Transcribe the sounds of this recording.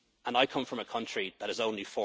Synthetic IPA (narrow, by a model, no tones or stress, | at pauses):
ə̃naɪkʰʌ̃ɱfɹə̃məkʰʌ̃nt͡ʃɹ̥iðəɾɪzõʊ̃nlifɔ